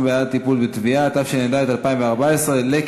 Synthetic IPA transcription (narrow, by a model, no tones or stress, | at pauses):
bejat̪ipulbet̪viat̪afʃened̪aet̪alpaimveaʁbaesʁelek